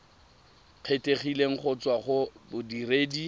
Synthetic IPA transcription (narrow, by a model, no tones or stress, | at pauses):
q͡χʰetʼeχileŋ̩χʰʊt͡swaχʊbʊdireːdi